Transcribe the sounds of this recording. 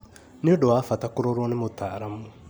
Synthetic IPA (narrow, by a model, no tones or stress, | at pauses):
neodowafatakoɾoɾonemotaːɾamu